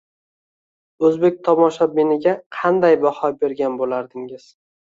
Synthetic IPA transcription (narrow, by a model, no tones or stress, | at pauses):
ɵzbe̞k̚ʲt̪ʰɒmɒʃabenɪɡʲaqʰɑnd̪ajbahɒbe̞ɾɡʲanbolaɾd̪ɪŋɪz̥